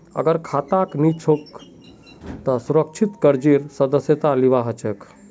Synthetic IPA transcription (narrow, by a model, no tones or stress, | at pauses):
ə̰ɡəɾkʰat̪aknit͡ʃʰok | t̪əsuɾək̚t͡ʃʰit̪kəɾd͡ʒiɾsəd̪əsjət̪aliʋaɦət͡ʃʰək